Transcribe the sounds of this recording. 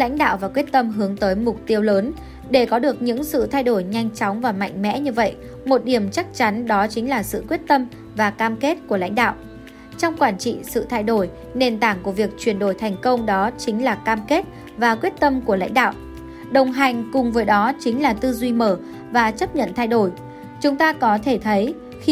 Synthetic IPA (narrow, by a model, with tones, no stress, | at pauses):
la̰˧˥jŋ̟ɗa̰ː˧˨wvaː˨˩kwi˦˥ət̚t̪ə˧mɦɨ˨˦əŋt̪əː˨˦jmʊ˨˩k͡p̚t̪i˧əwləː˨˦n | ɗe˧˩kɔ˨˦ɗɨ˨˩ək̚ɲɨ̰˧˥ŋsɨ̰˧˨t̪ʰa˧jɗo˧˩jɲa˧jŋ̟t͡ɕɔ˨˦wŋ͡mvaː˨˩ma̰˧˨jŋ̟mɛ̰˧˥ɲɨ˧və̰˧˨j | mo˨˩t̚ɗi˧˩əmt͡ɕa˦˥k̚t͡ɕa˨˦nɗɔ˨˦t͡ɕï˨˦ŋ̟laː˨˩sɨ̰˧˨kwi˦˥ət̚t̪ə˧m | vaː˨˩kaː˧mke˦˥t̚ku˧˩əla̰˧˥jŋ̟ɗa̰ː˧˨wʔ | t͡ɕɔ˧wŋ͡mkwaː˧˩nt͡ɕḭ˧˨sɨ̰˧˨t̪ʰaː˧jɗo˧˩j | ne˨˩nt̪aː˧˩ŋku˧˩əvi˨˩ək̚t͡ɕwi˨˩ənɗo˧˩jt̪ʰɛ˨˩ŋ̟kə˧wŋ͡mɗɔ˨˦t͡ɕï˨˦ŋ̟laː˨˩kaː˧mke˦˥t̚ | vaː˨˩kwi˦˥ət̚t̪ə˧mku˧˩əla̰˧˥jŋ̟ɗa̰ː˧˨wʔ | ɗə˨˩wŋ͡mɦa˨˩jŋ̟kʊ˨˩ŋ͡mvəː˨˦jɗɔ˨˦t͡ɕï˨˦ŋ̟laː˨˩t̪ɨ˧zwi˧məː˧˩ | vaː˨˩t͡ɕə˦˥p̚ɲə̰˧˨nt̪ʰa˧jɗo˧˩j | t͡ɕʊ˨˦ŋ͡mt̪aː˧kɔ˨˦t̪ʰe˧˩t̪ʰə˨˦j | x